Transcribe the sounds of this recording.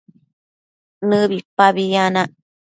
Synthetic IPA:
nɨbipaβijana

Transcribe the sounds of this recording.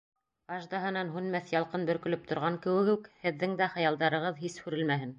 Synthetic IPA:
ɑʒd̪ɑɦɤ̆nɑnɦʉnmæθjɑlˠqɤnbɵ̆ɾkɵ̆lɵp̚t̪ʰŏɾʁɑŋkɘ̆wɘ̆ɡʉkhɘ̆ðːɘŋd̪æχɑ̆jɑlˠd̪ɑɾɤ̆ʁɤðhishʉɾɘ̆lmæɦɘn

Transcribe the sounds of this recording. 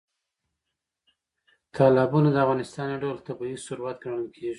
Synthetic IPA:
t̪ʰɑlɑbunad̪əavɣɑnɪst̪ɑnjaɖawlt̪abɑisʊɾwat̪ɡəɽəlkʰeʐi

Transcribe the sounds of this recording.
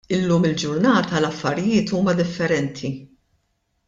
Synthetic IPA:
ɪlːuːmɪld͡ʒʊɾnɐːt̪ɐlɐfːɐɾɪjɪːt̪uːmɐd̪ɪfːɛɾɛnt̪ʰi

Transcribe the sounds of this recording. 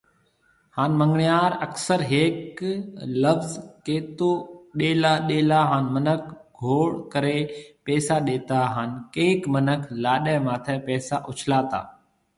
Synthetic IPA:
haːnmə̃ŋɡɳɪjaːɾəksəɾɦeːk | ləʋzkeːt̪oːɗeːlaːɗeːlaːɦaːnmənək̚ʰɡʱoːɽkəɾepɛːsaɗeːt̪aːɦaːnkeːkmənəkʰlaːɗɛːmaːt̪ʰɛːpɛːsaʔʊt͡ʃʰlaːt̪a̰ː

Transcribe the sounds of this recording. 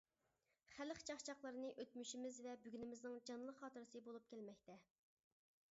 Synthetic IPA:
χælɪχt͡ʃʰɑχt͡ʃʰɑχlˠəɾɨnɨʔøt̪myʃimɪzvɛbyɡʲynɪmɪznɪŋd͡ʒɑnlˠəqχɑːt̪ɨɾɨsɨbolˠup̚kʲælmɛkʲt̪ʰɛ

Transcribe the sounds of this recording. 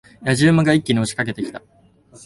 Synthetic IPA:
jaʑɨːmaɡaikʲːiɲioɕi̥kake̞t̪e̞kʲi̥t̪a

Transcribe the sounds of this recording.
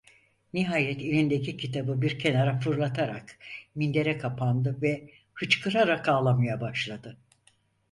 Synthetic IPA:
niɦaːjɛt̪ʰelʲind̪ecʰicʰit̪ʰabɯbiɾcʰe̞naɾafɯɾlˠat̪ʰaɾa̰kmind̪e̞ɾɛkʰapʰand̪ɯvɛ | hɯt͡ʃkʰɯɾaɾakaːlˠamajabaʃlˠad̪ɯ

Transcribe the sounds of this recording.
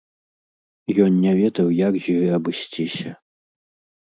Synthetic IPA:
jɔnnʲɛvʲɛd̪ɐwjakʒiɣɨɐbɨsʲt͡sʲisʲɐ

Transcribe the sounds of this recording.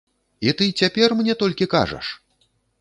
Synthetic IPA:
it̪ɨt͡sʲapʲɛrmnʲɛt̪ɔlʲkʲika̰ʐɐ̰ʂ

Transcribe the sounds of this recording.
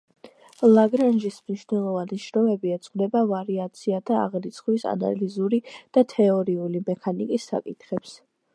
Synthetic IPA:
lˠaɡɾanʒismniʃvnɛlˠɔvaniʃɾɔmɛbiɛt̪sʼqχd̪ɛbavaɾiat̪sʰiat̪ʰa̰ːʁɾit̪sʰχwisa̰na̰lizuɾid̪̥at̪ʰɛɔɾiulimɛkʰanikʼisːa̰kʼit̪ʰχɛps

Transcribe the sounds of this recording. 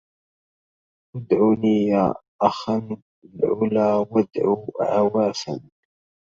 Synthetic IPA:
ʔwad̪ʕuːniːjaːʔaxan | lʕʊlaːwad̪ʕuːʕawaːfa̰n

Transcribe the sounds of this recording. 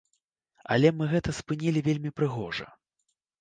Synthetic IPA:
ɐlʲɛmɨɣɛt̪ɐspɨnʲilʲivʲelʲmʲipɾɨɣɔʐɐ̰

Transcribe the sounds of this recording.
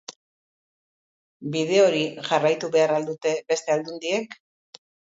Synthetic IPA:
bið̞e̞o̞ɾiʝarajt̪uβe̞aɾald̪ut̪e̞be̞st̪e̞ald̪und̪ie̞k

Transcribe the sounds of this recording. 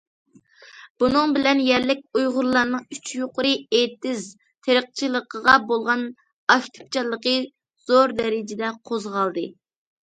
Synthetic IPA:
b̥unɨŋbɪlɛnjɛɾlɪk̚ʲujʁʊɾlˠɑɾnɨŋyt͡ʃjoqʊɾɨet̪ɪz | t̪ʰeɾəq̚t͡ʃʰilˠəqʰəʁɑbolˠʁɑn | ɑʃʲt̪ʰɨ̥p̚t͡ʃʰɑlˠːəqə | z̥oɾd̪ɛɾɪd͡ʒɪd̪ɛqʰozʁɑlˠd̪ɨ

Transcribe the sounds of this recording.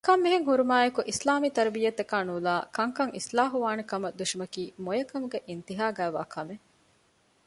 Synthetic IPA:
kɐmːiɦeŋɦuɾumaːjɐkuʔislaːmiːt̪ɐɾɐbijɐt̪ːɐkaːnuːlaːkɐŋkɐŋʔḭslaːɦuʋaːnekɐmɐd̪uʃimɐkiːmojɐkɐmuɡeʔint̪iɦaːɡæːʋa̰ːkʰɐme

